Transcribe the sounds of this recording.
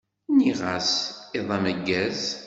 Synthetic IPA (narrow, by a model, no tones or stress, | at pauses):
niʁasɪðˤɑməɡːæz